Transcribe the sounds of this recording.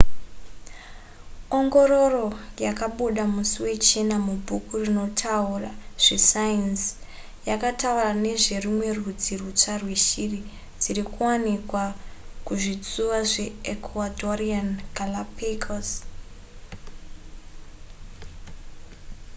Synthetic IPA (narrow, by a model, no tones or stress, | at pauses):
o̞ŋɡo̞ɾo̞ro̞jakaɓuɗamusiwe̞t͡ʃenamubʱukurino̞tʰauraʐ̥e̞sains | jakataurane̞ʐe̞rimwe̞rud͡zirut͡ʂarweʃiri | d͡ziɾikuwanikwakuʐid͡zuwaʐe̞ekʰwatoriankalapekʰas